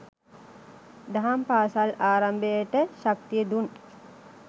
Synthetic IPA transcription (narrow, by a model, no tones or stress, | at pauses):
d̪aɦampaːsalaːɾambəjəʈəʃak̚t̪ijəd̪un